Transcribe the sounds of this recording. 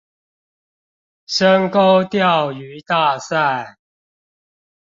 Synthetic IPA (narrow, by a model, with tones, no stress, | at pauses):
ʂə˦ŋko˦ʊt̪jɑ˥˨ʊy˨˦t̪a˥˨sa˥˨ɪ